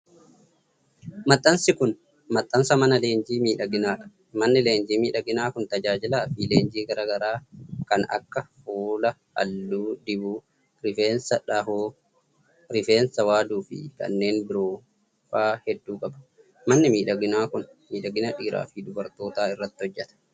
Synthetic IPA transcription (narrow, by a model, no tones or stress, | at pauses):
mɐt̪ʼːɐnsɪkʊn | mɐt̪ʼːɐnsɐmɐnɐle̞ːnd͡ʒiːmiːᶑɐɡɪnaːᶑɐ̥ | mɐnːɪle̞ːnd͡ʒiːmiːᶑɐɡɪnaːkʊnt̪ɐd͡ʒaːd͡ʒɪlaːfileːnd͡ʒiːɡɐɾɐɡɐɾaːkɐnɐ̰kːɐhoːlɐhɐ̰lːuːd̪ɪbuː | ɾɪfe̞ːnsɐᶑɐɦoː | ɾɪfe̞ːnsɐwaːd̪uːfɪ̰kɐ̰nːe̞ːnbɪɾoː | faːhɛd̪ːuːkʼɐbɐ̥ | mɐnːɪmiːᶑɐɡɪnaːkʊn | miːᶑɐɡɪnɐᶑiːɾa̰ːfid̪ʊbɐɾt̪o̞ːt̪aːɪrːɐt̪ːɪhɔd͡ʒːɛt̪ɐ̥